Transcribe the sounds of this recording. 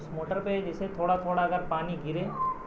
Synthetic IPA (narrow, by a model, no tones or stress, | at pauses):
smoːʈəɾped͡ʒeset̪ʰoːɽat̪ʰoːɽaəɡəɾpaːniɡʱiɾe